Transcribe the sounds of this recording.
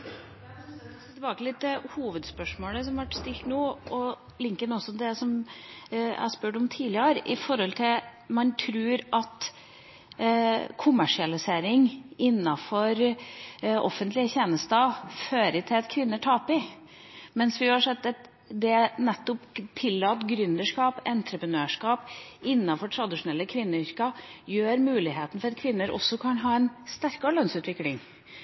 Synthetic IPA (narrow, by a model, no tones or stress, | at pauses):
t̪əbɑːk̪əlɪt̪̚d̪ɛhuːʋəd̪spœʂmoːləs̬ɔmʋæʈst̪ɪltʈ̪nuːʔɔ | lɪŋkənɔsːɔd̪ɛsɔm | æ̰spʉːʈɔmt̪ʰiːlɪəɾɪfɔɾhɔlt̪ʰɪmɑnt̪ʰɾʉːɾɑt̪ | kʰʊmːæʂɪɑlɪseːɾɪŋʔɪnːɑfɔɾ | ʔɔ̰fːənt̪lɪəçeːnəst̪ɑføːɾɪt̪ʰɪlɑt̪kʰʋɪnːəʈʰɑːpɪ | mɛnsʋɪɑʂɛt̪ːɛt̪ | d̪ɛnɛt̪ːɔpt̪ʰɪlːɑːt̪ɡɾʏnd̪əʂkɑːpɛnt̪ɾəpɾənøːʂkɑːpɪnːɑfɔʈʰɾɑd̪ɪʂʊnɛlːəkʰʋɪnːəʏɾkɑjøːɾmʉːlɪɦeːt̪ən̩fɔɾɑt̪̚kʰʋɪnːəɾʔɔ̰sːɔkʰɑnɦɑːɛnst̪æɾkɑlœnsʉːt̪ʋɪklɪŋ